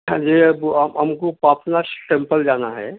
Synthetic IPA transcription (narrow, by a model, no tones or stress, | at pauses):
d͡ʒeːɐbɦɐmkopaːpnasʈẽmpəld͡ʒaːnaɦɛ̰ː